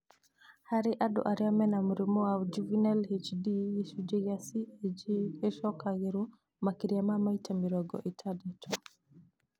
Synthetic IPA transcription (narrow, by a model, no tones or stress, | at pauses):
haɾiʔaɗɔ̰ʔaɾjamɛnamuɾimɔad͡ʒuvinɛlhet͡ʃdiʃud͡ʒɛɣasid͡ʒiɛʃɔkaɣiɾu | makiɾiamamaitamiɾɔɡɔ̰ʔitʰadɛtʰɔ